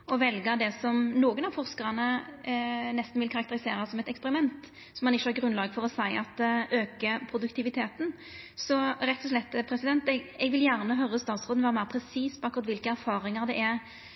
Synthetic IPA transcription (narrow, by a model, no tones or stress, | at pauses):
ɔʋɛlɡəd̪ɛsɔmnoːɡənɑʋfɔʁskəʁənə | nɛst̪n̩ʋɪlkʰɑɾɑk̚t̪əɾɪseːɾɑsɔmɛt̪ɛkspɛɾɪmɛnt̪ | sɔmːɑnɪçːəhɑɾɡɾʉnlɑːɡfɔʁɔsæɪɑt̪øːkəpʰɾʊd̪ʉkt̪ʰɪʋɪt̪ʰeːt̪n̩ | sɔɾɛt̪ːɔʂ̬lɛt̪ːpʰɾɛsɪd̪ɛnt̪ɛɡɛɡʋɪljæːʁnəɦœɾəst̪ɑːt̪sʁoːʋæːɾəmæɪɾpʰɾɛsiːspʰɔɑkʊɾɑt̪ʋɪlkəæɾfɑːɾɪŋəʁd̪ɛʔæɾ